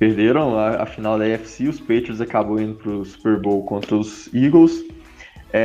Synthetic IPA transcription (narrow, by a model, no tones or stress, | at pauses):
peɾd̪eɾɐ̃w̃laɐ̰finawd̪ɐɛfsiʊspejt̪ɾɾzakabɐ̃w̃ĩnd̪ʊpɾʊsu̥peɾbowkõnt̪ɾɐʊziɡows | ɛ